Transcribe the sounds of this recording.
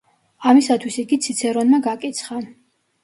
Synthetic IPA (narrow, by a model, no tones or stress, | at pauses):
amisat̪ʰwisiɡit̪sʰit̪sʰɛɾɔnmaɡakʼit̪sʰχa